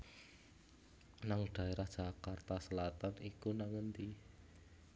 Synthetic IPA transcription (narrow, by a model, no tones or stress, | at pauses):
naŋɖ̪̥a̤eɾahd̥ʒ̥akart̪asəlat̪anikunaŋənt̪i